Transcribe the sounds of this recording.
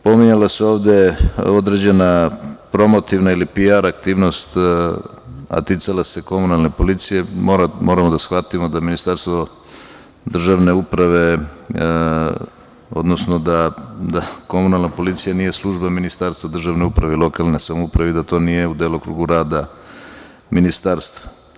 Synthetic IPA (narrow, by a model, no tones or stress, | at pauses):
po̞miɲalaseo̞ːʋd̪e̞o̞d̪ɾe̞d͡ʑe̞napɾo̞mo̞t̪iʋnailipiaɾak̚t̪iːʋno̞st̪ | a̰t̪it̪salase̞ko̞munalˠnepo̞lit̪sijemoɾamo̞ɾamod̪asxʋat̪imod̪aminist̪aɾst̪ʋo̞ | d̪r̩ʒaʋne̞upɾaʋe̞ | o̞̰d̪no̞snod̪ad̪ako̞munalˠnapo̞lit̪sijanije̞slˠuʒbaminist̪aɾst̪vʋad̪r̩ʒaʋneupɾaʋeilˠo̞kalˠnesamoupɾaʋeid̪at̪o̞ːnije̞ud̪eːlokɾṵːɡuɾaːd̪a | minist̪aɾst̪vḁ